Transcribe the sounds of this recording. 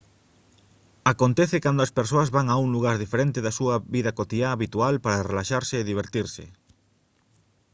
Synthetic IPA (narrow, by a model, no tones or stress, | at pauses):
akont̪ɛθekand̪oɐspeɾs̬oɐzβaŋauŋluɣ̞aɾðifeɾent̪eðɐsuɐβiðɐkot̪iaːβit̪ualpaɾarelaʃaɾseːðiβ̞eɾt̪iɾsɪ̰